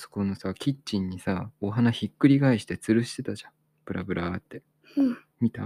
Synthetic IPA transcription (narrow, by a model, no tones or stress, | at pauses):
so̥ko̞no̞sakʲitt͡ɕĩɲ̟ːisao̞ɦanaçikːɯ̟ɾʲiɡaiɕi̥t̪e̞t͡sɨɾɯ̟ɕi̥t̪e̞t̪aʑã | pɯ̟ɾabɯ̟ɾʔat̪ːe̞ | mʲit̪a